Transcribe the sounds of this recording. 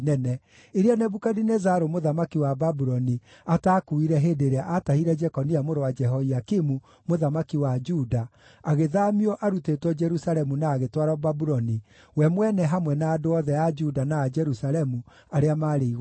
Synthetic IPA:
nɛnɛ | eɾianɛbukadinɛzaɾomoðamakiwababuɾɔni | ataːkuiɾɛɦeːdeɾeaʔatahiɾɛd͡ʒɛkɔniamoɾowad͡ʒɛɦɔiakimu | moðamakiwad͡ʒuda | aɣeðamiɔʔaɾutetwɔd͡ʒɛɾusaɾɛmunaːɣetwaɾɔbabuɾɔni | wɛmwɛnɛɦamwɛnaːdoɔðɛad͡ʒudanaːd͡ʒɛɾusaɾɛmu | aɾeamaːɾeiɣ

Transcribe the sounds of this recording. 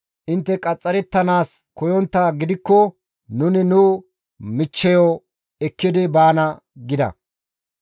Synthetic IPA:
ʔɪnt̪ːɛkʼɐt͡sʼːɐɾɛt̪ːɐnaːs | kɔjɔnt̪ːaːɡɪd̪ɪkːɔ | nʊnɪnuː | mɪt͡ʃːɛjɔ | ɛkːɪd̪ɪbaːnɐ | ɡɪd̪ɐ̰

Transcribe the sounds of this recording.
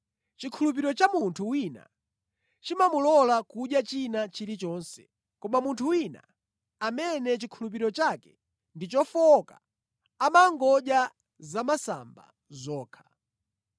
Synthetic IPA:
t͡ʃikʰulup̬iɾɔt͡ʃamuntʰuwina̰ | t͡ʃimamulɔlakuɗjat͡ʃinat͡ʃiɾit͡ʃɔːnsɛ̥̰ | kɔmamuntʰuwina̰ | amɛnɛt͡ʃikʰulup̬iɾɔt͡ʃakɛ | ndit͡ʃɔfɔka̰ | amaŋɡɔɗja | zamasa̰mba̰ | zɔːkʰḁ

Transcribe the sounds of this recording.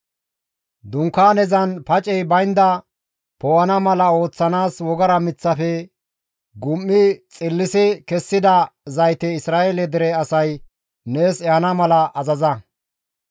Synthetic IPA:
d̪ʊŋkːaːnɛzɐnpɐt͡ʃʼɛjbɐjnd̪ɐ | pɔwɐnɐmɐlɐo̞ːt͡sːɐnaːswɔɡɐɾɐmɪt͡sːɐfɛ | ɡʊmːɪt͡sʼɪlːɪsɪkɛsːɪd̪ɐzɐjt̪ɛɪsɾaːelɛd̪ɪɾɛɐsɐj | ne̞ːsɛhɐnɐmɐlɐʔɐzɐzɐ

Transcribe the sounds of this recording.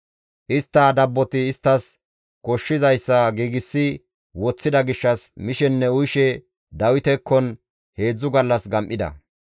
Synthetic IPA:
ʔɪst̪ːɐd̪ɐbːɔt̪ɪːst̪ːɐs | kɔʃːɪzɐjsːɐɡiːɡɪsːɪ | wɔt͡sːɪd̪ɐɡɪʃːɐsmɪʃɛnːɛʊjʃɛ | d̪ɐwɪt̪ɛkːɔn | he̞ːd͡zːʊɡɐlːɐsɡɐmʔɪd̪ɐ̰

